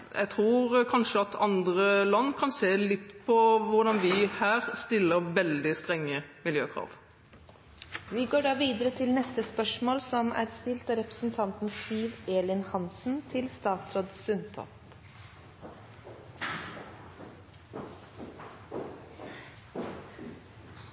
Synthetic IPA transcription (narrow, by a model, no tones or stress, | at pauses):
jʔɛ̰ɪt̪ʰɾuːɾkʰɑnʂəɑt̪ʰɑnd̪ʁəlɑnːkʰɑnseːlɪt̪ːpʰɔʋʊɖɑnʋɪhæːʁst̪ɪlːəʁʋɛld̪ɪst̪ʁɛŋːəmɪljøːkʰʁɑ̰ːʋ | ʋɪɡoːɖɑːʋiːd̪əɾət̪ʰɪlnɛst̪əspœʂmoːlsɔmæ̰ːɾst̪ɪlt̪ɑɾɛpɾə̥sn̩t̪ʰɑnt̪n̩st̪iːʋeːlɪnhɑnsn̩t̪ʰɪlst̪ɑːt̪sɾoːd̪sʉnt̪ʰɔ̰p